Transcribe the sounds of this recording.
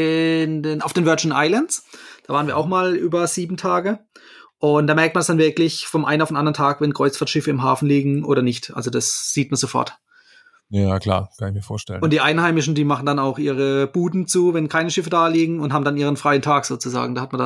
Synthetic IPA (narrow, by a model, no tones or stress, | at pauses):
ɪndenaʊfd̥eːnvœɐd͡ʒənʔa̰ɪlansd̥aːvaːʁənviːɐʔaʊxmaːlʔyːbɐz̥iːbm̩tʰaːɡəʔʊntd̥aːmɛɐk̚t̚mandasd̥anvɪɐklɪçfɔnʔa̰ɪnaʊfdenʔandɐəntʰaːkvɛnkʁ̥ɔʏt͡sfaɐtʃɪfəɪmɦaːfn̩liːɡŋ̩ʔoːɾɐnɪçtʔa̰lzodasz̥iːtmanzofɔ̰ɐt | ajaːkʰl̥a̰ːkʰanɪçmiːɐfoːɐtɛ̰lənʊntd̥iːʔaɪnhaɪmɪʃn̩diːmaχn̩danaʊxʔiːʁ̞əb̥uːdn̩t͡suːvɛnkʰaɪnəʃɪfədaːliːɡŋ̩ʊnthaːbm̩danʔiːʁ̞ənfʁ̥aɪəntʰaːkz̥oːt͡suza̰ːɡŋ̩daːhat̚manda